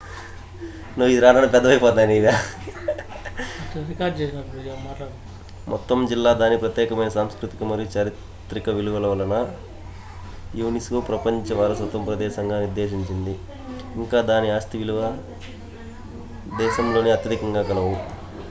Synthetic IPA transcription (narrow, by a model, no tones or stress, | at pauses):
nuːid̪iɾaːnaːnpɛd̪ːɐʋɐjpɔːt̪ːaːniʋa | ʈɾikaːɾɖd͡ʒɛːsanid͡ʒamaːʈlaːɽ | mʔɔt̪ːɐmd͡ʒilːaːd̪aːnipɾɐt̪jɛːkɐmɐjnɐsaːmskɾut̪ikumɐɾijut͡ʃɐɾit̪ | ɾikɐʋiluʋɐlɐʋɐlɐnɐ | juːniskoːpɾɐpɐɲt͡ʃɐʋaːɾɐsɐt̪ːɐmpɾɐd̪ɛːʃɐŋɡaːniɾd̪eːʃiɲt͡ʃind̪iː | ŋkaːd̪aːniaːst̪iʋiluʋɐ | d̪ɛːʃɐmlo̞ːniɐt̪jɐd̪ikɐŋɡaːkɐlɐʋu